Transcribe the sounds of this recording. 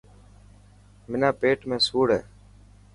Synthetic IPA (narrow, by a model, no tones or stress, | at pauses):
mɪnaːpeːʈmẽːsuːɽḛː